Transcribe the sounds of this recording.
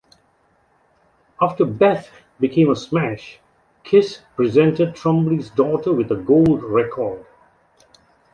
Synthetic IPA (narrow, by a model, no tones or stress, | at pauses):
aftə˞bɛθ | bɨkʰẽɪ̃məsmæʃ | kʰɪspɹɨzɛ̃ntəd̚tʰɹ̥ʌ̃mblizdɔːtə˞wɨðəɡoʊldɹɛkʰɔɹd̥